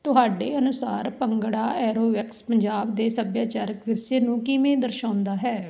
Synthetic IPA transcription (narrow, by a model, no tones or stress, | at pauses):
t̪ʊɦaːɖeːənʊsaːɾpəŋɡɽaːʔɛːɾoːʋɛkspəɲd͡ʒaːbd̪eːsəbjaːt͡ʃaːɾəkʋɪɾʃeːnũːkɪmẽːd̪əɾʃãːnd̪aːɦɛː